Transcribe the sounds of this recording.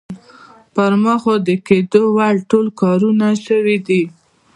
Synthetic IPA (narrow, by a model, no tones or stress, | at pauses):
pəɾməxod̪əked̪owaɽʈolkɑɾunaʃəwid̪i